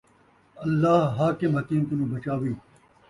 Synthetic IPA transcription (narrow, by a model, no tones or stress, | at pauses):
ɐlːaːɦɦaːkɪmɦɐkiːnt̪unũːbɐt͡ʃaːʋiː